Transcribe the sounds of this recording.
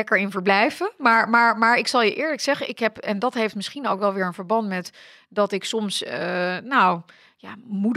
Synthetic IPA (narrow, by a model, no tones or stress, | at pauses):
ɛkəɹɪnvəɹblɛjvəmaːɹmaːɹmaːɹɪksɑlˠjəʔɪːɹləksɛχənʔɪkɦɛpɛndɑtɦejftmɪsχinowkʋɛlˠʋɪːɹənvəɹbɑntmɛt | dɑtɪksɔmsnow | jamud